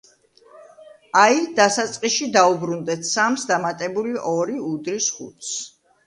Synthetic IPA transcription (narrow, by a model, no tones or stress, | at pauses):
aid̪asat̪sʼqʼiʃid̪aubɾund̪ɛt̪ʰsamsd̪amat̪ʼɛbuliʔɔɾiud̪ɾisχṵt̪s